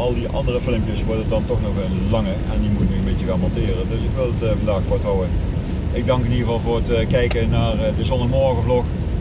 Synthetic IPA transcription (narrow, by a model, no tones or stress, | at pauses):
ɑlˠdiʔɑ̰ndərəfɪləmpjəsʋɔɹdədɑntɔxnɔxənlɑŋə | ɛndimutɪkməənbɪcəɣaːnmɔntɪːrəndøsɪkʋɪlˠdətvɑndaːxpɔɹtɦɔwən | ɪɡ̚dɑŋkəniəvɑlˠvʊːɹətkɛjkənaːrdəzɔndəəmɔɹɣəvlɔx